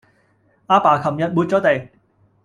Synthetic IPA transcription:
ʔaː˧paː˨˩kʰɐ˨˩mjɐ˨t̚muː˨˧t̚t͡sɔː˨˥t̪e˨˩j

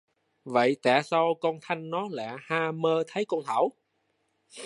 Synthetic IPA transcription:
və̰˧˨jt̪ɛː˧˩sa˧wkɔ˧nt̪ʰa˧jŋ̟nɔ˨˦lɛ̰˧˨haː˧məː˧t̪ʰə˨˦jkɔ˧nt̪ʰaː˧˩w

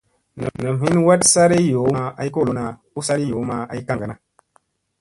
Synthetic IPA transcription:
na̰˨na˨mɦi˦nwa˦tsa˦ɾe˦jo˨˦a˦a̰˨i˦ko˦˨lo˨˦na˨ | u˦sa˦ɾi˦jo˨˦ma˦a˨i˦ka˦ŋɡa˨na˨

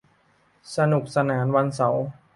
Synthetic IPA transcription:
sa˧nu˨˩k̚sa˧naː˩˦mwa˧nsa˩˦w

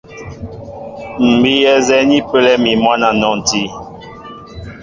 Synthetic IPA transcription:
m̩˨bi˦jɛ˦zɛ˦ni˦pə˦lɛ˦mi˨mwa˦na˨nɔ˨n˨ti˦

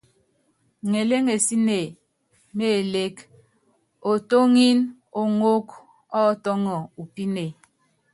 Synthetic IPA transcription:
ŋe˨le˦ŋe˨si˦ne˨ | me˨le˦k | o˨to˦ŋi˦n | o˨ŋo˦k | ɔ˦tɔ˦ŋɔ˨u˨pi˦ne˨

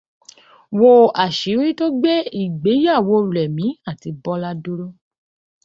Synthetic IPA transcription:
wo˧a˨ʃi˨˦ɾi˦to˦ɡ͡bɛ˦i˦˨ɡ͡be˨˦ja˦˨wo˧˦˨ɾɛ˨mĩ˨˦a˦˨ti˧bɔ˧la˧do˧ɾo˦

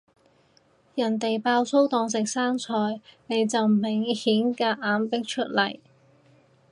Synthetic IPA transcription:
jɐ˨˩nt̪e˨jpaː˧wso˥wt̪ɔː˧ŋs̬ɪ˨k̚saː˥ŋt͡sʰɔː˧jne˨˧jt͡sɐ˨wmɪ˨˩ŋhiː˨˥nkaː˧ʔaː˨˥npɪ˥k̚t͡ʃʰɵ˥t̚lɐ˨˩j

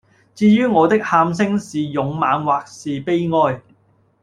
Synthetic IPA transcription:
t͡siː˧jyː˥ŋɔː˨˧t̪ɪ˥k̚haː˧ms̬ɪ˥ŋsiː˨jʊ˨˧ŋmaː˨˧nwaː˨k̚siː˨pe˥jŋɔː˧j

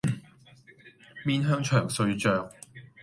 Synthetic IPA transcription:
miː˥nɦœː˥ŋt͡ʃʰœː˨˩ŋsɵ˧ɥt͡ʃœː˨˧ŋ

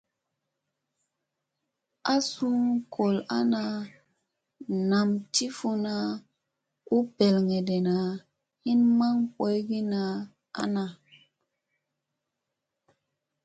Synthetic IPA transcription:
a˦su˦ŋkʰo˨la̰˦na˨ | na˨mti˦fu˦na˦ | u˦pe˨lŋe˨de˨na˨ | hi˦nma˦ŋpo˨˦jɡi˦na˨ | a̰˦na˨

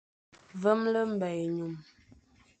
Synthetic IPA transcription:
və˦mlə˦m̩˨bɛ˨jɲu˨m

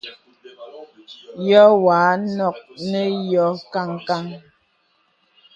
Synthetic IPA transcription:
jɔ˦wa˨˦nɔ˦˨k̚nə˦jɔ˨˦ka˦˨ŋka˦ŋ

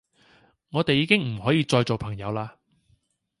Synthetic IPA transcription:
ŋɔː˨˧t̪e˨jːiː˨˧kɪ˥ŋm̩˨˩hɔː˨˥jiː˧t͡ʃɔː˧jt͡so˨wpʰɐ˨˩ŋjɐ˨˧wlaː˧

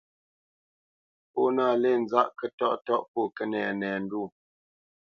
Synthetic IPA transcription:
po˦naː˦˨le˦˨n̩˦d͡za˦ʔkə˦tɔ˦˨ʔtɔ˦ʔpɔ˦˨kə˦nɛ̰˨nɛː˨n̩˦du˦˨

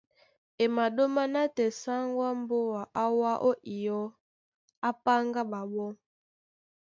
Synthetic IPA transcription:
e˨ma˨ɗo˦ma˦na˦tɛ˨sa˦ŋɡwa˦m˦bo˦wa˨ʔa˦wa˦ʔo˦ʔi˨jɔ˦ | a˦pa˦ŋɡa˦ba˨bɔ˦

